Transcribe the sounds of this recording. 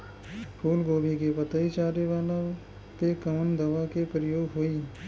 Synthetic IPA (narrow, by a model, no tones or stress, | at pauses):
pʰuːlɡoːbʱikepət̪əit͡ʃaːɾeʋaːla | pekəmənd̪əʋakepɾəjoːɡɦoːiː